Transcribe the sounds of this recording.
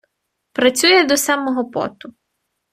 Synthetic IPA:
pɾɐt͡sʲujɛd̪ɔsamɔɦɔpɔ̰t̪ʊ

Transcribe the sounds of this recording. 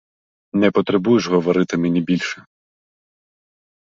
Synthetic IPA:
nɛpɔt̪ɾɛbujɪʐɣɔʋɔɾɪt̪ɪmɛnʲibʲilʲʃɛ

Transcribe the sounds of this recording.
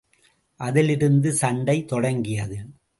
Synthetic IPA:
ʔɐðɪlɪɾɯnd̪ɯsɐɳɖɐɪt̪ːɔɽɐŋɡɪjɐðɯ

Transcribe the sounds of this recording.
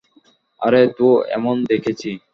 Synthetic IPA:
a̰ɾet̪uɛ̰mond̪ekʰet͡ɕʰi

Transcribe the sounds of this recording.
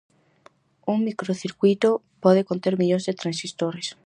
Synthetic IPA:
uŋmikɾoθiɾkwit̪o | pɔðekont̪eɾmiʎõzðet̪ɾãnsist̪oɾes

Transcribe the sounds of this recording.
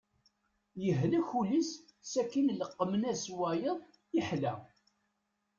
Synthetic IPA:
jəɦlæçuləs | sækːinləqːmənæswæjəðˤ | iħlæ

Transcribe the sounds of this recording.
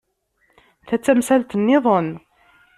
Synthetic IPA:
θæt͡sːæmsælt̪ənːɪðˤon

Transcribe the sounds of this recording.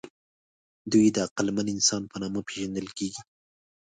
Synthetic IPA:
d̪ujd̪əaqalmanɪnsɑnpənɑməpeʒand̪əlkeɡi

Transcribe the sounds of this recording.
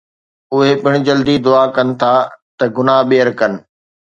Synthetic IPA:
ʊɦepɪɽ̃ɪ̆d͡ʑɐld̪id̪ʊaːkɐnɪ̆t̪ʰaːt̪ɐɡʊnaɓeəɾkɐnɪ̆

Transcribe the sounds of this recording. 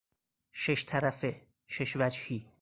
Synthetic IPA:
ʃeʃt̪ʰæɾæfe | ʃeʃvæd͡ʒhi

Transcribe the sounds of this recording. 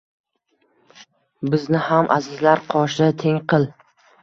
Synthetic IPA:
bɪznɪhamʔa̰zɪzlaɾqʰɒʃɪt̪ʰe̞ŋqʰɨlˠ

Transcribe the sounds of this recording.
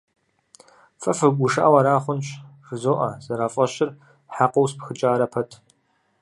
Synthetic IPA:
fʼɐfɨɡʷʊʂaʔaːwɐɾaːχʷʊnɕʐɨzoːʔɐ̰zɐɾaːfʼɐɕɪr | ħaqowspxɨt͡ʃʼaːɾɐpʰɐtʰ

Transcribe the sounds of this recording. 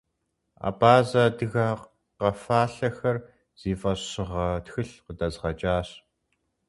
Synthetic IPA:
a̰ːbaːzɐdɨɣaːq | qɐfaːɬɐxɐr | z̥iːfɐɕɪʁɐtxɨɬqədɐzʁɐt͡ʃʼaːɕ

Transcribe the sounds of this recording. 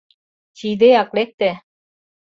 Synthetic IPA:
t͡ɕid̪ejɑklek̚t̪e

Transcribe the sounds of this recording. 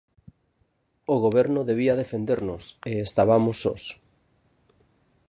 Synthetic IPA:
oɣoβ̞ɛɾnʊðeβ̞iaðefend̪eɾnoseest̪aβamosːo̰s

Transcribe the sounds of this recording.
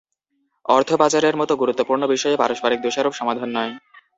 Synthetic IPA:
ɔɾt̪ʰobad͡ʑaɾeɾmɔt̪oɡuɾut̪ːopuɾnobiʃɔjepaɾoʃbaɾik̚d̪oʃaɾobʃɔmad̪ʱanːɔe

